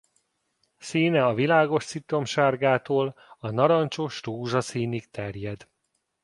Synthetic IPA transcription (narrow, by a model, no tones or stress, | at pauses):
siːnɛɒvilaːɡo̞ʃsit̪o̞mʃaːrɡaːt̪oːlɒnɒɾɒnt͡ʃoʃruːʒɒsiːnik̚t̪ɛrjɛd̪